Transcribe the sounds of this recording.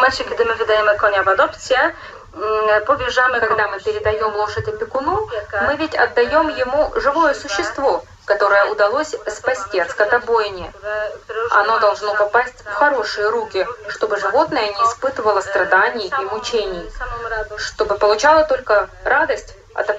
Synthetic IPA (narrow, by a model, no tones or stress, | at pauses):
malʲt͡ɕɪkʲɪd̪ɨmɨvʲɪd̪ɐjemɨkonʲɐbɐd̪opsʲɪjə | pobʲɪʐamɨkɐɡd̪amɨpʲɪɾʲɪd̪ɐjo̞mlˠoʂədʲɪpʲɪkʊnumɨvʲɪtʲɐ̰d̪ːɐjo̞mjɪmuʐɨvo̞jəsʊɕːɪst̪vo̞ | kɐt̪o̞ɾəjəʊd̪ɐlˠosʲspɐsʲtʲiɐt̪skɐt̪ɐbojɪnʲɪjə | ɐ̰no̞d̪ɐlˠʐno̞pɐpasʲtʲfxɐɾo̞ʂɨjəɾukʲɪʂt̪o̞bɨʐɨvo̞t̪nəjənʲɪːspɨt̪ɨvəlˠəst̪ɾɐd̪anʲɪjimʊt͡ɕenʲɪj | ʂt̪o̞bɨpəlˠʊt͡ɕalˠət̪o̞lʲkəɾad̪əsʲtʲ | ɐ̰t̪ɐ